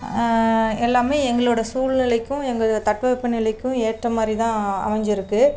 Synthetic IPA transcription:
ɛlːaːmeːɛŋɡɐɭoːɽɐsuːlnɪlɐɪkːʊ̃ɛŋɡɐt̪ɐʈʋɐʋɪpːɐnɪlɐkːʊ̃eːʈrɐmaːd̪ɾit̪ãːɐ̰mɐɲd͡ʒɪɾɯkːɯ

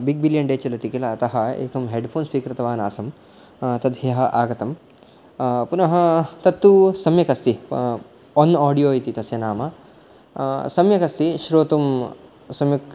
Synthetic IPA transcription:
biɡ̚biljɐɳɖeːt͡ʃilɐt̪ikilɐːt̪ɐɦɐḛːkɐmɦeːɖpʰoːnsʋiːkɾɐt̪ɐʋaːna̰ːsɐm | t̪ɐd̪ʱɦjɐɦɐʔaːɡɐt̪ɐm | punɐɦɐ̆t̪ɐt̪ːusɐmjɐkɐst̪i | ɔnaːɖijoːjit̪it̪ɐsjɐnaːmɐ | sɐmjɐkɐst̪iʃɾoːt̪um | sɐmjɐk

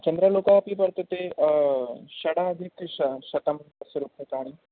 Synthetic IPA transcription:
t͡ʃənd̪ɾəlokaːpipəɾt̪ət̪e | ɕɐɽaːd̪ʱikɕɕɐt̪əmpəsəɾupɦet̪aːɽ̃i

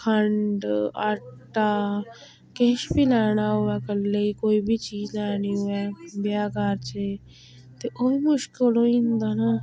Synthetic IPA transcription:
kʰəɳɖa̰ːʈa | keːʃbilaːñaɦʊakəlːeikoːibʱit͡ʃiːd͡ʒlaːniɦʊabjaːɡaːɾt͡ʃʰe | t̪eʔoimʊʃkɪlõĩnd̪aːna

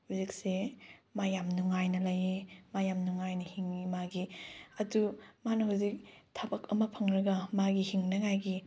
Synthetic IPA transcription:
huzik̚semajamnuŋajnɐlajemajamnuŋajnɐhiŋimaɡiɐdumanɐɦuzik̚tʰabɐkɐmɐpʰɐŋɾɐɡɐmaɡihiŋnɐŋajɡi

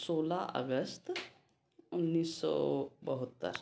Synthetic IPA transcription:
soːlaʔə̰ɡəst̪ | ʊnːiːsːɔ̰bəɦʊt̪ːə̰ɾ

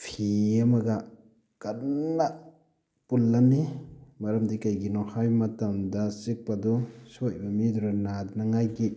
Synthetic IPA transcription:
pʰiamaɡa | kanːa | pulːanimaɾamdikajɡinɔhajmatamdasik̚padɔsoj̚bamiduɾanadnaŋajɡi

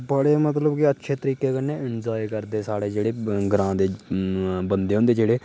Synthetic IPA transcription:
bəɽeːmət̪ləbkiətːʃʰeːt̪əɾiːkeːkənːeːɪnd͡ʒoːikəɾd̪eːsaːɽeːd͡ʒeːɽeːɡɾãːd̪eː | bənd̪eːɦʊ̃nd̪eːd͡ʒeːɽeː

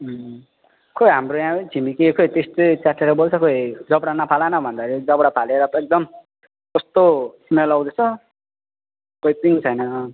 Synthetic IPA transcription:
kʰojɦamɾojãt͡sʰimikikʰojt̪est̪ot͡saʈʰːeɾʌbolt͡sʰʌkoid͡zʌbɽanʌpʰalanʌbʱʌnd̪aɾid͡zʌbɽapʰaleɾʌek̚d̪ʌm | kʌst̪osmelawd̪et͡sʰʌ | koip̪int͡sʰʌjnʌ

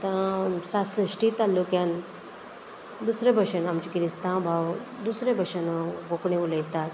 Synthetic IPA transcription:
t̪ãsasɾiʂʈit̪alukjãn | d̪usɾebʱəɕənamt͡ɕikiɾist̪ãbʱawd̪usɾebʱəɕənɡokɳẽʋuləjt̪at̪

